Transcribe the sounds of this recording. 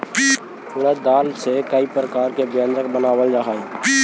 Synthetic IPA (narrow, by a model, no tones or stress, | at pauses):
ʊɽeːd̪aːlsekəiːpɾəkaːɾkebə̃nd̪ɾəkbənaːʋəld͡ʒaːɦae